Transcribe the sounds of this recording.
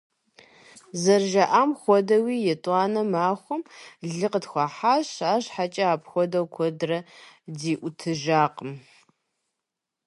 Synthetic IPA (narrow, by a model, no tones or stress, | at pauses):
zɐrʒɐʔamxʷɔdɐwiːjɛtʼaːnɐmaːχʷʊmɮɨqədxʷɑħaɕaːɕħat͡ʃʼɐaːpʰxʷɔdɐwkʷʰɔdrɐdiːʔʷʊtʰɨʒaːqʼəm